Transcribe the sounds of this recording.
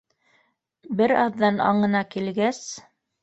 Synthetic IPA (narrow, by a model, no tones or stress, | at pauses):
bɘɾɑðːɑnɑ̰ɴɤ̆nɑkilɡæs